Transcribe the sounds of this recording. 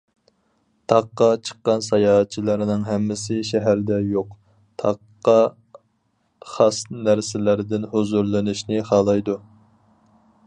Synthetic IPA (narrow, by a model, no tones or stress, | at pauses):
t̪ʰɑqːɑt͡ʃʰə̥qːɑnsɑjɑːt̚t͡ʃʰilˠɑɾnɨŋɦɛmːɪsɪʃɛɦæɾd̪ɛjoq | t̪ʰɑqːɑ | χɑsnæɾsɪlæɾɪd̪ɪnhozuɾlˠɪnɪʃnɪχɑːlˠɑjd̪u